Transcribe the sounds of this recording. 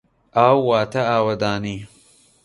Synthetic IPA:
ʔaːwːaːt̪ʰɐaːwɐd̪aːniː

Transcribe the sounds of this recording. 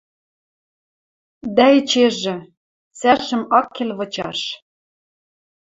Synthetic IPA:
d̪æĕt͡ɕeʒɘ̆ | t͡sæʃɘ̆mɑkːelβɤ̆t͡ɕɑ̰ʃ

